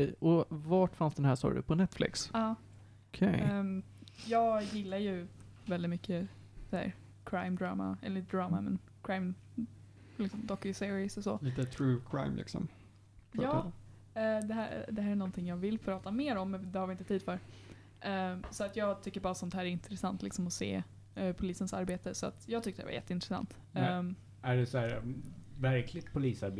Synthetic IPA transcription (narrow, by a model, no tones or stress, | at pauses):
ɛɔvaʈfansd̪ɛnhæːsɔ̰ɾə̰pʰɔnɛt̪flɪ̰ksɑː | ɔkʰɛ̰j | jɑːɡjɪlːajɵ | vɛld̪ɪt̪mʏkːə | sæ̰ɾ | kʰɾaɪmd̪ɾɑ̰ːma̰ɛ̰llit̪əd̪ɾɑːma̰mɛ̰n | kʰɾajm | lɪksɔmd̪ɔkːɪsɪɾɪɪsɔsɔ̰liːt̪ət̪ʰɾʉːkʰɾa̰ɪmlɪ̰ksɔ̰m | jjɑː | d̪ɛɦæd̪ɛhæːɾæɳɔnːt̪ʰɪŋjɑːɡvɪlːfœɾɑːt̪ameːɾɔmːɛnd̪ɛhaɾvɪnt̪ət̪ʰiːd̪fœɾ | ʔsɔat̪jɑːɡt̪ʰʏkːəɾbɑːɾasɔnt̪ɛhæːɾɛɾɪnt̪ɾɛsant̪lɪksɔmɔsḛː | pʰʊliːsənsa̰ɾbeːt̪əsɔa̰t̪jɑːɡt̪ʰʏk̚t̪əd̪ɛ̰va̰jɛ̰t̪ːəɪnt̪ɾɛsa̰nt̪ | æɖɛsɔæːɾvæɾkʰlɪɡ̚t̪̚pʰʊliːsaɾb